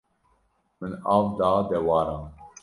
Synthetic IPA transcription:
mɨnɑːvd̪ɑːd̪ɛwɑːɾɑ̃ːn

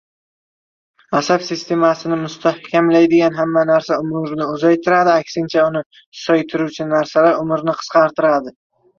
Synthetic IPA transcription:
asabsɪst̪ʰe̞masɪnɪmʊst̪ʰahkʲamlajd̪ɪɡʲanɦamːanaɾsaʊmʊɾnɪʊzajt̪ʰɪɾad̪ɪakʲsɪnt͡ʃʰaʊnɪ | sɒjt̪ʰɪɾuwt͡ʃʰɪnaɾsalaɾʊmɪɾnɪqʰɨ̥qɑɾt̪ʰɪɾad̪ɪ

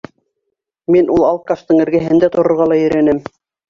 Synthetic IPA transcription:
minulˠɑl̚ˠqɑst̪ɤɴɘ̆ɾɡæɦɘ̆nd̪æt̪ŏɾŏɾʁɑlˠɑjɵ̆ɾænɘm

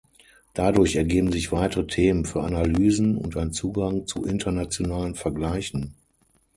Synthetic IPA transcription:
d̥adʊɐçɛɐɡeːbm̩zɪçv̥aɪtəʁətʰeːmənfyːɐʔa̰nalyːzn̩ʊ̰ntaɪnt͡suːɡaŋt͡sṵʔɪntʰɐnat͡sjonaːlənfɛɐɡlaɪçn̩

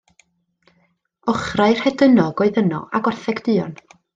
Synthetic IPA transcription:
ɔχraɨr̥hɛdənɔɡɔɨðənɔ̰ʔaɡɔrθɛɡdɨːɔ̰n

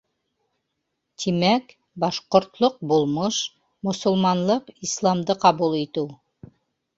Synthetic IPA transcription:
t̪ʰimæk | bɑʃqŏɾt̪lˠoq̚bulˠmɤʃ | mŏsŏlˠmɑnlˠɤqislˠɑmd̪ɤqɑβulˠit̪ɘw

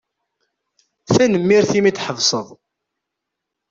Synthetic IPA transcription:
θænəmːiɾθimit͡s̪ːħəvsˤəðˤ

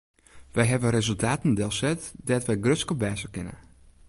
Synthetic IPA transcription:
ʋɛjɦɛʋəɾezəlˠtʰaːtn̩dɛlˠsɛtdɛtʋɛjɡrøskəbɛːsəkɪnə̰

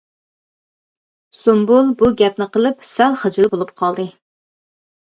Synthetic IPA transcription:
sombulˠbuɡʲɛp̚nɪqəlˠɨpsælˠχəd͡ʒɪlˠbolˠup̚qʰɑlˠd̪ɨ

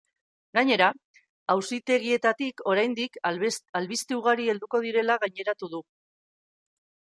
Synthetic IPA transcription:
ɡaɲe̞ɾa | awsit̪e̞ɣ̞ie̞t̪at̪iko̞ɾajnd̪ikalβist̪euɣ̞aɾie̞ld̪uko̞ðiɾe̞laɣaɲe̞ɾat̪uðu

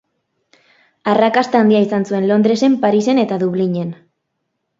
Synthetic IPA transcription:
arakast̪aand̪iaisansue̞nlo̞nd̪ɾe̞se̞mpaɾise̞ne̞t̪aðuβliɲe̞n

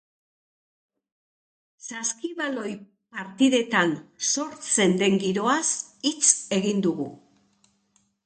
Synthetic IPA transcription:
saskiβalo̞j | paɾt̪iðe̞t̪anso̞ɾt͡se̞nd̪e̞ŋɡiɾo̞asit͡se̞ɣind̪uɣṵ

